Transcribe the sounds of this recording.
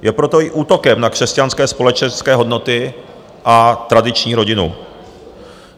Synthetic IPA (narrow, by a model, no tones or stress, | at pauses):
jʔɛpɾo̞t̪o̞ɪʔuːt̪o̞kɛmnakr̝̥ɛscanskɛːspo̞lɛt͡ʃɛnskɛːɦo̞dno̞t̪ɪ | ʔat̪ɾadɪt͡ʃɲiːɾo̞ɟɪnṵ